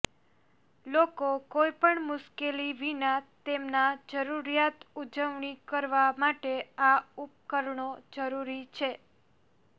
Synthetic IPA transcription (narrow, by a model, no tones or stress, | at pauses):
lokokojpəɳmʊʃkeliʋinat̪emnad͡ʒəɾuɾijat̪ud͡ʒəʋɳikəɾʋamaʈeaup̚kəɾɳod͡ʒəɾuɾit͡ʃʰe